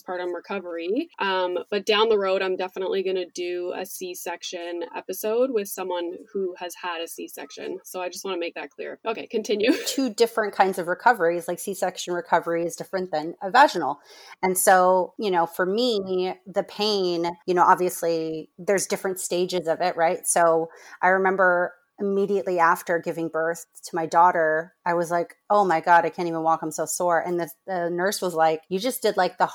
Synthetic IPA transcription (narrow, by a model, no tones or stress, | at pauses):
pʰɑɹɾʌ̃nɹɨkʰʌvə˞iʔʌ̃mb̥ʌt̚d̥ãʊ̃nðəɹoʊɾãɪ̃mdɛfənə̰ʔliɡʌnɨdɨɨ̰sisɛkʃɨ̃nɛ̰pɨsoʊd̚wɪð̥sʌ̃mwʌ̃nhuɨz̥əɾɨsisɛ̰kʃɨ̰̃nsoʊaɪd͡ʒʌst̚wɑ̃nɨmeɪk̚ðɨt̚kʰl̥ɪ̰ɹʔoʊkʰeɪkʰɨ̃ntʰɪ̃njʉtʰʉdɪfɹɨ̃nkʰãɪ̃ndzʌvɹɨkʰʌvə˞izlaɪksisɛkʃɨ̃n̩ɹɨkʰʌvə˞iɨzdɪfɹɨ̃nðɨ̃nəvæʒn̩l̩ˠɨ̃nsoʊjɨñoʊfə˞miðɨpʰẽɪ̃njɨñoʊʔɑbviɨsliðə˞zdɪfɹɨ̃ntsteɪd͡ʒɨzʌvɪʔ̚ɹaɪtsoʊʔaɪɹɨmɛ̃mbə˞ | ɨmiɾiɨʔˡliæftə˞ɡɪvɪ̃ŋbɜ˞θtʰəmaɪdɔɾə˞aɪwʌzlaɪkoʊmaɪɡɑɾaɪkʰæ̃ñtivə̃nwɔkãɪ̃msoʊsɔɹʔɨ̰̃nðɨðɨnɜ˞swʌzlaɪkjɨd͡ʒʌsd̥ɨdˡlaɪk̚ðə